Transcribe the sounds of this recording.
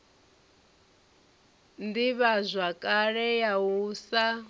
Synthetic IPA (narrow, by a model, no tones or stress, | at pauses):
ndiβazʷakʼaɺɛjausa